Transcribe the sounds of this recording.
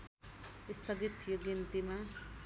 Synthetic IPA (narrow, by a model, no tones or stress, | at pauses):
ist̪ʰʌɡit̪ʰːijoɡint̪ima